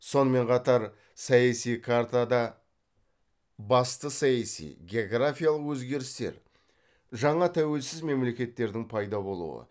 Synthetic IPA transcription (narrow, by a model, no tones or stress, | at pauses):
so̞nəme̞ɴqʰɑt̪ɑɾ | sɑjasijkʰaɾt̪ad̪ɑ | bɑst̪əsɑjasḭjɡʲe̞oɡɾafʲijalˠəqwɵzɡʲe̞ɾɪst̪e̞̰ɾ | ʒɑɴɑt̪ʰæwe̞lsɪzme̞mle̞kʲe̞t̪ːe̞ɾd̪ɪŋpʰɑjd̪ɑbo̞lˠṵə̰